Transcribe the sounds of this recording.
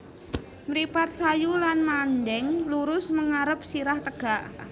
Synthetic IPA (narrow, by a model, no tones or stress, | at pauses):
mɾipat̪̚sajulanmandɛŋluɾʊsməŋaɾəp̚siɾaht̪əɡ̥aʔ